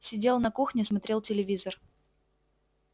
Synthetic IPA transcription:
sʲɪdʲe̞lˠnɐkuxnʲɪsmɐt̪ɾʲe̞lˠtʲɪlʲɪvʲizər

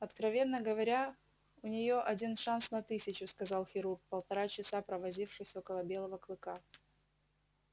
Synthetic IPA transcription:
ɐt̪kɾɐvʲe̞nːəɡəvɐɾʲa | ʊnʲɪjo̞ʔɐdʲinʂansnɐt̪ɨsʲɪt͡ɕʊskɐzɑlˠxʲɪɾurk̚pəlˠt̪ɐɾat͡ɕɪsapɾəvɐzʲifʂɨsʲo̞kəlˠəbʲe̞lˠəvəklˠɨka

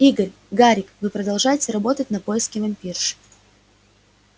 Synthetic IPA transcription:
iɡəɾʲ | ɡaɾʲɪkvɨpɾəd̪ɐlˠʐajɪtʲɪɾɐbo̞t̪ətʲnɐpo̞jɪskʲɪvɐmʲpʲirʂɨ̥

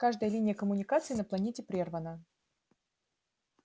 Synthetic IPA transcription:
kaʐd̪əjəlʲinʲɪjəkəmʊnʲɪkat̪sɨinəplˠɐnʲetʲɪpɾʲervənə

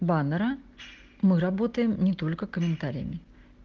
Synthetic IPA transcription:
banəɾə | mɨɾɐbo̞t̪əjɪmnʲɪt̪o̞lʲkəkəmʲɪnt̪aɾʲɪ̰jə̰mʲɪ

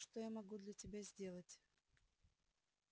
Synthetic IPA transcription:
ʂt̪ojamɐɡud̪lʲɐtʲɪbʲazʲdʲe̞lˠətʲ

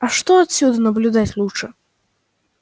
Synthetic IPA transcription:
ɐʂt̪ɔat̪sʲud̪ɨnɐblʲud̪at͡sʲlˠuʂɛ

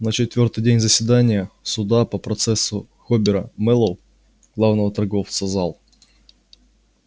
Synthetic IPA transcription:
nət͡ɕɪt̪vʲort̪ɨjdʲenʲzəsʲvʲɪd̪anʲɪjəsʊd̪apəpɾɐt̪sɛsːʊ | xobʲɪɾəmɛlˠəlˠ | ɡ̥lˠavnəvət̪ɐrɡoft̪səzalˠ

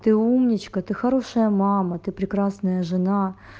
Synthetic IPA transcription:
t̪ɨumnʲɪt͡ɕkət̪ɨxɐɾoʂəjəmamɐt̪ɨpɾʲɪkɾasnəjəʐɨna

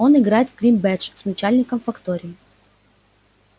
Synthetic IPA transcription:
o̞nɪɡɾajɪt̪vɡɾʲimbɛt͡ʂsnɐt͡ɕælʲnʲɪkəmfɐkt̪o̞ɾʲɪɪ

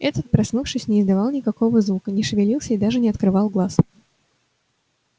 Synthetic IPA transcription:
ɛt̪ət̪̚pɾɐsnufʂɨsʲnʲɪɪzd̪ɐvɑlˠnʲɪkɐko̞vəzvukənʲɪʂɨvʲɪlʲilˠsʲəɪd̪aʐɨnʲɪɐt̪kɾɨvɑlˠɡlˠas

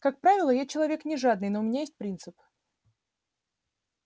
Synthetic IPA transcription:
kak̚pɾavʲɪlˠəjat͡ɕɪlˠɐvʲe̞knʲɪʐad̪nɨjnoʊmʲɪnʲajesʲt̚ʲpɾʲint̪sɨp

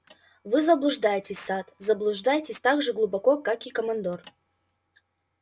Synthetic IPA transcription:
vɨzəblˠʊʐd̪ajɪtʲɪsʲsat̪zəblˠʊʐd̪ajɪtʲɪsʲt̪aɡʐɨɡlˠʊbɐkokakikəmɐnd̪or

